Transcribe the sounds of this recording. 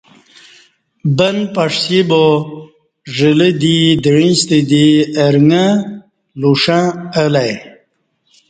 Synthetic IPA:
bənpaʂsibo | ʐələd̪id̪ɻĩst̪id̪iəɾŋa | luʂãəlaj

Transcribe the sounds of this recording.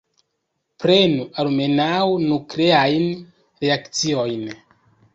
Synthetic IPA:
pɾe̞nualme̞nawnukleajn | ɾeakt͡sio̞jn

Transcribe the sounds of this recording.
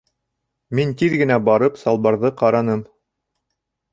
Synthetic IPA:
mint̪iðɡɘ̆næbɑɾɤpsɑlˠβɑɾðɤqɑɾɑnɤm

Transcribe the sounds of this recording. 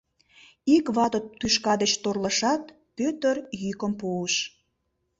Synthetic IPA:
ikβɑt̪ot̪ːyʃkɑd̪et͡ɕt̪orləʃɑt̪ | pøt̪ərjykəmpoəʃ

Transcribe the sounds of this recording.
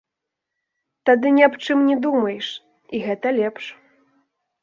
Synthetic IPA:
t̪ad̪ɨnʲɛapt͡ʂɨmnʲɛd̪umɐjɛʂ | iɣɛt̪ɐlʲɛpʂ

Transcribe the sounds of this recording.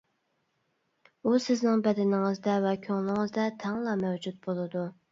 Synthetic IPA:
usɪznɪŋbɛd̪ɪnɪŋɨzd̪ɛvɛkʲʰøŋlˠɪŋɨzd̪ɛt̪ʰɛŋlˠɑmɛwd͡ʒut̪̚bolˠɨd̪u

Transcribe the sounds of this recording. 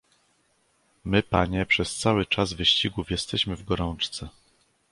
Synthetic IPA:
mɘpaɲɛpʂɛst̪sawɘt͡ʂazvɘɕt͡ɕiɡufjɛst̪ɛɕmɘvɡɔɾɔnt͡ʂt̪sɛ

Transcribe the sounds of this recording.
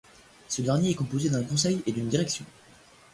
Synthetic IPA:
səd̪ɛʁnjeːkɔ̃pozed̪ɛ̃kɔ̃sɛjed̪ynd̪iʁɛksjɔ̃

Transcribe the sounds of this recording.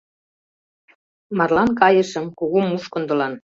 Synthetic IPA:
mɑrlɑnkɑjəʃəmkuɣumːuʃkŏnd̪ɤ̆lɑn

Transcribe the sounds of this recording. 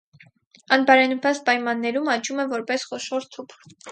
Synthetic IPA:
ɑnbɑɾɛnupɑspɑjmɑnːɛɾumɑt͡ʃumɛvɔɾpɛsχɔʃɔɾt̪ʰupʰ

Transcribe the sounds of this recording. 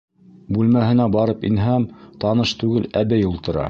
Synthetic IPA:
bʉlmæhɘ̆næbɑɾɤpḭnɦæmt̪ɑnɤʃt̪ʉɡɘlæβɘjulˠt̪ɤ̆ɾɑ̰

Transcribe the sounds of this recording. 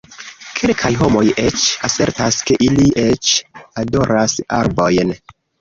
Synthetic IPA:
kʰelkʰajɦo̞mo̞jet͡ʃase̞ɾtaske̞ʔiliʔet͡ʃado̞ɾasa̰ɾbo̞jn

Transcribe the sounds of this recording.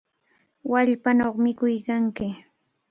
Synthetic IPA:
waʎpanoχmɪkʊjkaŋkɪ

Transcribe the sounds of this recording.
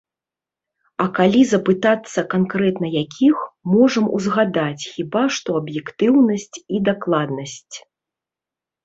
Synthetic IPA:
ɐkalʲizɐpɨt̪at̪sːɐkankɾɛt̪nɐjakʲʰixmɔʐɐmṵzɣad̪at͡sʲxʲibaʂt̪ɔɐbjɛkt̪ɨwnɐsʲt͡sʲid̪aklˠad̪nɐsʲt͡sʲ

